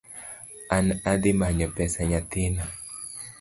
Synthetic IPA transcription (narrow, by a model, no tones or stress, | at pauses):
anad̪ɪmaɲɔpɛsaɲat̪ɪna